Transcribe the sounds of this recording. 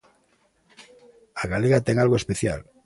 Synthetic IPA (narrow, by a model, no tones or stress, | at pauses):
aɣaleɣat̪eŋalɣoe̞speθja̰l